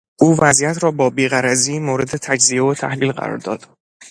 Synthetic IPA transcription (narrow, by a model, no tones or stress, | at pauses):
ʔuːvæzijæt̪ʰɾɒːbɒːbiːɣæɾæziːmoːɾe̞d̪e̞t̪ʰæd͡ʒzievot̪ʰæ̰hliːlɢæ̰ɾɒ̰ɾd̪ɒ̰ːd̪̥